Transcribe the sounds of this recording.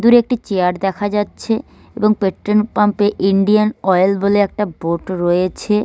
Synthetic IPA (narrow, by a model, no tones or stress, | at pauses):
d̪uɾek̚ʈit͡ɕeaɾd̪ɛkʰad͡ʑatːɕʰe | eboŋpeʈɾonpampeʔiɳɖianɔjlboleɛk̚ʈaboʈɾojet͡ɕʰe